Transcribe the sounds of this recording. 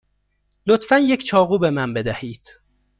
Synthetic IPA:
lot̪fænjecʰt͡ʃʰɒːɣuːbemænbe̞d̪æhiːd̪̥

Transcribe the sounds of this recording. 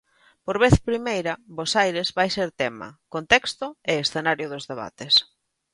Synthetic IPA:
poɾβeθpɾimejɾɐbosajɾezβajseɾt̪ɛmɐ̰kont̪ɛkst̪ʊeesθenaɾjʊðʊzðeβ̞a̰t̪es

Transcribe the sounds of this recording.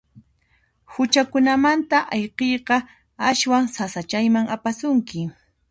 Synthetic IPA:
hʊt͡ʃakʊnamant̪aʔɑjqejqɑ | aʃwaŋsasat͡ʃajmaŋapasʊŋkɪ

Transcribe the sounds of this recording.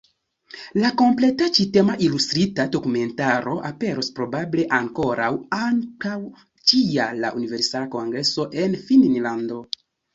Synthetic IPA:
lako̞mple̞tat͡ʃite̞maʔilustɾitado̞kume̞ntaɾo̞ʔape̞ɾo̞spɾo̞bable̞ʔaŋko̞ɾawaŋkaw | t͡ʃiala̰ʔunive̞ɾsalako̞ŋɡɾe̞so̞ʔe̞nfinnlando̞

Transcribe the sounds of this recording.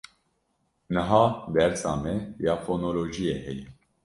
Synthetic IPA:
nɨɦɑːd̪ɛɾt͡sɑ̰ːmɛjɑːfoːnoːloːʒijehɛjɛ

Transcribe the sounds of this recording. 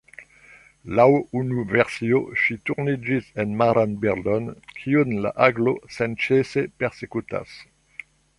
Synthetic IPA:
lawunuvɛʁsioʃit̪uʁnid͡ʒisɛnmaɾanbɛʁd̪ɔnkʰiunla̰ʔaɡlosɛnt͡ʃesepɛʁsekut̪a̰s

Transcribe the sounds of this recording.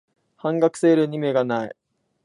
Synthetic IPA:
hãŋɡakɯ̟̥seːɾɯ̟ɲ̟ime̞ɡanai

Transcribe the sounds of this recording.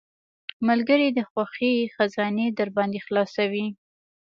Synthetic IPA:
malɡəɾid̪əxwaxixazɑned̪əɾbɑnd̪exlɑsawi

